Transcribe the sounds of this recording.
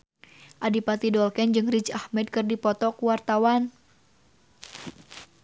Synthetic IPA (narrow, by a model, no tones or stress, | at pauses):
ʔadipat̪idɔlkɛnd͡ʒɨŋrit͡ʃahmɛd̚kɨrdipɔt̪ɔkuwart̪awan